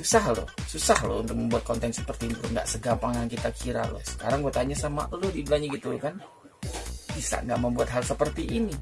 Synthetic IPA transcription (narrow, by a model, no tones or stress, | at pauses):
susahlo̰susahlo̰ṵnt̪ʊk̚məmbuat̪̚kɔnt̪ɛnsə̥pərt̪iniloŋɡa̰ʔsəɡampaŋjaŋkit̪akʰiɾa̰lo̰sə̥ka̰ɾaŋɡuat̪aɲasama̰ʔlodidlaɲaɡit̪ulokan | b̥isa̰ŋɡa̰ʔməmbuat̪ɦalsəpərt̪iʔːni